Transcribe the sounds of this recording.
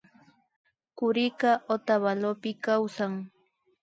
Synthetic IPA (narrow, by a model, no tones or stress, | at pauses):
kʊɾɪkaʔot̪aβalopɪkawsaŋ